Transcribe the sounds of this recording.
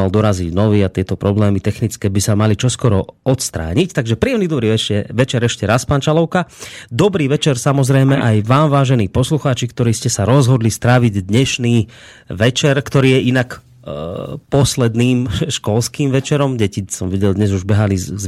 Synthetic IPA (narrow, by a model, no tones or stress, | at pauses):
ald̪ɔɾaziɟnɔʋiːat̪ɪɛt̪ɔpɾɔblɛːmit̪ɛxnit͡skɛːbisamalit͡ʃɔskɔɾɔ̰ɔt̪st̪ɾa̰ːɲict̪aɡʒɛpɾiːɛmnid̪ɔbɾiːʋɛɛʋɛt͡ʃɛɾɛʃcɛɾaspaːnt͡ʃalɔʊkad̪ɔbɾiːʋɛt͡ʃɛɾsamɔzɾɛjmɛʔajʋaːmʋaːʒɛniːpɔsluxaːt͡ʃikt̪ɔɾiːscɛsaɾɔzɦɔd̪list̪ɾaːʋiɟd̪ɲɛʃniːʋɛt͡ʃɛɾkt̪ɔɾiːjɛʔinakː | pɔslɛd̪niːmʃkɔlskiːmʋɛt͡ʃɛɾɔmɟɛcisɔmʋiɟɛld̪ɲɛzuʒbɛɦaliz